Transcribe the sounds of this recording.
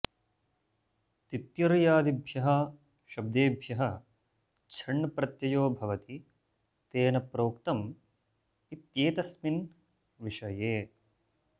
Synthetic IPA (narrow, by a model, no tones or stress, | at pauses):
t̪it̪jɐɾjaːd̪ibʱjɐɦɐ | ʃɐb̚d̪eːbʱjɐɦɐ | t͡ʃʰɐɳːɐpɾɐt̪jɐjoːbʱɐʋɐt̪i | t̪eːnɐpɾoːkt̪ɐm | it̪jeːt̪ɐsmin | ʋiʂɐjeː